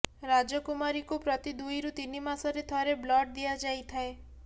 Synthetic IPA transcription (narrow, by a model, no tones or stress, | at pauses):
ɾad͡ʒɔkumaɾikupɾɔt̪id̪ujɾut̪inimasɔɾet̪ʰɔɾeblɔʈ̚d̪iad͡ʒajt̪ʰae